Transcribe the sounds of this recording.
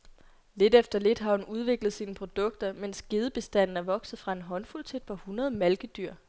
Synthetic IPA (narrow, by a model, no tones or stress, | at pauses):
le̝d̥efd̥ɐle̝d̥ɦɑ̈hunuð̞ˠʋe̝ɡ̥ləð̞̩ˠsiːnəpʰʁo̝d̥ɔ̽ɡ̥̚d̥ɐmen̰sɡ̥e̝ð̞ˠəb̥e̝sd̥æn̰n̩æɐʋɒ̽ɡ̥sð̩ˠfʁɑ̈e̝nɦɒ̽nfult͡sʰe̝d̥̚pʰɑhunɐð̞ˠmælɡ̥əd̥yɐ̰